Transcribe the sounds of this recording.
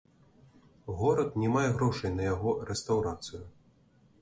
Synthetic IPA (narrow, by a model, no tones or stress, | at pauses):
ɣɔɾɐt̪nʲɛmajɛɣɾɔʂɐjnɐjaɣɔɾɛst̪ɐwɾat̪sɨju